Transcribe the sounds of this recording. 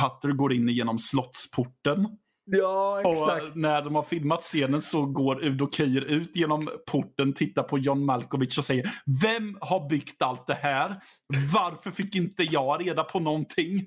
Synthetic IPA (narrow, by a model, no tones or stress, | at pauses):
at̪ːəɾɡoːɾɪnːɪjeːnɔmslɔt̪spʰʊʈːən | jɑɛɔsnæɖɔmhaɾfɪlmat̪seːnənsɔɡoːɾʉd̪ɔkʰɛjːəɾʉ̟ːt̪jeːnɔmpʰʊʈːənt̪ʰɪt̪ːapʰɔjɑnmalkʊvɪt̪sɔsɛjːəɾvɛmhaɾbʏɡt̪alt̪̚d̪ɛhæːɾ | vaɾfœɾfɪkːɪnt̪əjɑːɾeːd̪apʰɔnɔnt̪ʰɪŋː